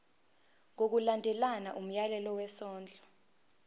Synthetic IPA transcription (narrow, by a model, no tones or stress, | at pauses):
ŋok̬ulandʱɛlana̰ʔum̩jalɛlɔwɛsɔːnd͡ɮʱɔ